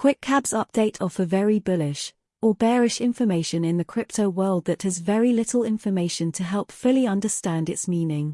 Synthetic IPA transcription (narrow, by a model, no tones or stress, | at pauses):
kʰw̥ɪkkʰabz̥ʌp̚d̥eɪtʰəfəvɛɹibʊlɪʃ | ʔəbɛːɹɪʃɪ̃ɱfəmeɪʃə̃nɪ̃nðəkʰɹ̥ɪp̚tʰəʊwɜːlˠd̪̚ðəthəzvɛɹilɪtʰˡl̩ɪ̃ɱfəmeɪʃə̃ntʰəɦɛlˠpfʊlˠiʌ̃ndəstæ̃ndɪtsmĩːnɪ̃ŋ